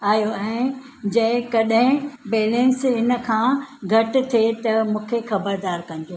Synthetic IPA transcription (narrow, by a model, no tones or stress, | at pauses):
aːjoɛ̃ː | d͡ʑɐ̃ɪ̃kɐɗɦɪ̃beːlẽnsɦɪnə̆kʰãːɡʱɐʈ̆t̪ʰet̪ɐmũːkʰexɐbəɾd̪aːɾkɐ̃ñd͡ʑ̪oː